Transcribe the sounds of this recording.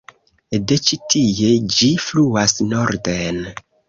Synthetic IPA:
det͡ʃitijed͡ʒifluasnoɾden

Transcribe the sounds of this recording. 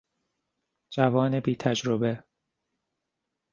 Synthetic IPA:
d͡ʒævɒːnebiːt̪ʰæd͡ʒɾobe̞

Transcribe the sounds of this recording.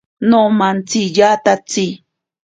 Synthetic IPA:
nomant͡sijat̪at͡si

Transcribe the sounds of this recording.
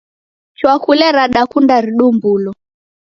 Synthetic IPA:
t͡ʃwakulɛɾaɗakundaɾiɗumbulɔ

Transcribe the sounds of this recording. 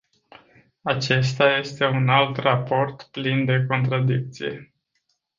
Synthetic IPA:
at͡ʃe̞st̪aje̞st̪e̞unalt̪rapo̞rt̪plind̪e̞ko̞nt̪ɾad̪ik̚t̪sḭje̞̰

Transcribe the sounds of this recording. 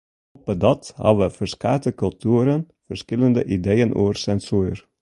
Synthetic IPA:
ɔpədɑthɑ̰ʋəfərskaːtəkɵlˠtuəɾən | fərskɪləndəʔidejənʔo̰ːrsɛnsuːr

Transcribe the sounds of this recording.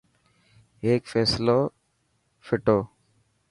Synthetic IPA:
ɦeːkfeːsloː | fʰɪʈoː

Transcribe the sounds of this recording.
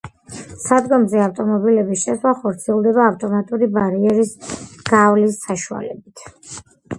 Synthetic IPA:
sad̪ɡɔmzɛaft̪ʼɔmɔbilɛbisʃɛslˠaχɔɾt̪sʰiɛlˠd̪ɛβaːft̪ʼɔmat̪ʼuɾibaɾiɛɾisɡ̥avlisːaʃua̰lɛ̰bit̪ʰ

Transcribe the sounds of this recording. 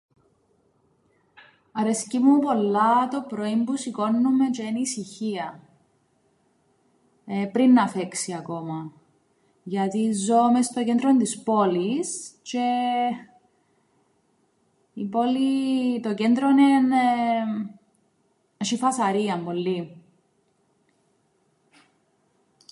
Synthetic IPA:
ɐɾescimupo̞lːɐt̪o̞pɾo̞imbusiko̞nːume̞t͡ʃeenisiçiɐ | epɾinːɐfeksiɐko̞mɐ | ʝɐt̪izomest̪ocend̪ɾont̪ispo̞list͡ʃe | ipo̞lit̪ocend̪ɾonen | ʃifɐsɐɾiɐmpo̞lːi

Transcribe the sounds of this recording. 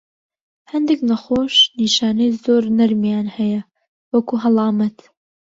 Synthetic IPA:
hɐnd̪eknɐxoːʃniːʃaːnɐjzoːɾnɐɾmjaːnhɐjɐ | wɐkuɦɐlˠɑːmɐt̪

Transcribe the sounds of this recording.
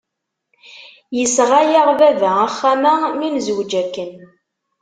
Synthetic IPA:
jəsʁajəʁvævææχːæmæminzəwd͡ʒækːən

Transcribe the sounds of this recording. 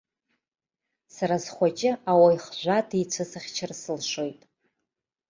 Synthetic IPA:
saɾazχʷat͡ʃʼɪawajχʒʷatʰit͡sʷʰasɨχʲt͡ʃʰɪrsɨlʂo̞jtʼ

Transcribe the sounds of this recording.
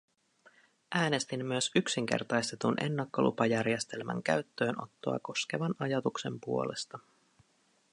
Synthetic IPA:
ʔæːne̞st̪imːyøsyksiŋk̟e̞̰rt̪ɑjst̪e̞t̪unʔe̞̰nːɑkːolʔṵpɑjærjest̪e̞lmæ̰ŋk̟æ̰ɥt̪ːø̞ːnʔo̞̰t̪ːo̞̰ɑ̰ko̞sk̟e̞ʋɑnɑjɑt̪ukse̞mpuo̞le̞̰st̪ɑ

